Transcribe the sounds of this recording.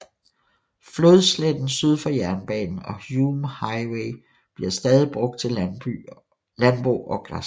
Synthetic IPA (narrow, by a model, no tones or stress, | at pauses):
fløðˠsled̥n̩syð̞ˠfɒ̽jæɐnb̥ɛ̰ːnn̩ɒ̽jumhɑ̈ɪweɪ | b̥liɐsd̥ɛːð̞ˠib̥ʁɔ̽ɡ̥̚d̥̚t͡sʰe̝l | lænb̥ʁoɒ̽ɡ̥ʁɑs